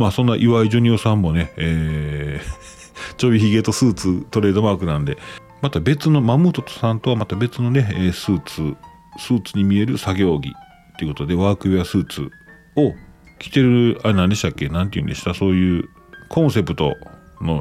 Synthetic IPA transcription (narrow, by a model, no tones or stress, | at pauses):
maːsõ̞nːaʔiβaiʑoɲ̟iosãmːo̞ne̞eː | t͡ɕo̞bʲiçiɡe̞t̪o̞sɨːt͡sɨt̪o̞ɾe̞ːd̪o̞maːkɯ̟nãnd̪e̞ | mat̪abe̞t͡sɨno̞mamɯːt̪ot̪o̥sãnt̪o̞βamat̪abe̞t͡sɨno̞ne̞eːsɨːt͡sɨ | sɨːt͡sɨɲ̟imʲie̞ɾɯ̟saɡʲo̞ːɡʲḭ | t̪ːe̞iɯ̟ko̞t̪od̪e̞βaːkɯ̟easɨːt͡sɨ̰ | o̞ | kʲi̥t̪e̞ɾɯ̟aenãnd̪e̞ɕi̥t̪akːe̞nãnt̪̬eiɯ̟̰̃nd̪e̞ɕi̥t̪aso̞ːjɯ̟ː | kʰõ̞ɰ̃se̞pɯ̟t̪o̞̰no̞